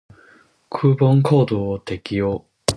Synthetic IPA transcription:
kʰɯ̟ːbõŋkʰoːd̪oːt̪e̞kʲijoː

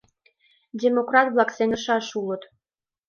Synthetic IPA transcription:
dʲemokrɑt̪βlɑkseŋəʃɑʃulə̆t̪

